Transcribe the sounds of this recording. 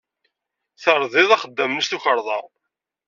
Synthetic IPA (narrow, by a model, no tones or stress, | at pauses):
θəɾˤðˤɪðˤɑχəd̪ːəmnəst̪uçəɾˤðˤɑ̰